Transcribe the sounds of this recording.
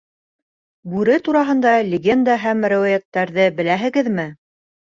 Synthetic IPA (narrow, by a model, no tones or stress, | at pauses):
bʉɾɘt̪uɾɑɦɤ̆nd̪ɑlʲɪɡʲe̞nd̪aɦæmɾæwæjæt̪ːæɾðɘbɘ̆læɦɘ̆ɡɘðmɘ